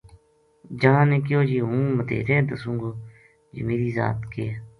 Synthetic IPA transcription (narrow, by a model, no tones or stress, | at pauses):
d͡ʒəɦãːneːkɪjoːd͡ʒiːɦũːmət̪ḛːɾeːd̪əsũːɡoː | d͡ʒəmiːɾiːza̰ːt̪keː